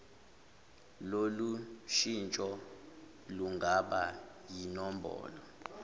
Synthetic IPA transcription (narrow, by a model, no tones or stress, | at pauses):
loluʃint͡ʃʼɔ | luŋɡʱaɓa | jinɔmbʱɔ̰ːlɔ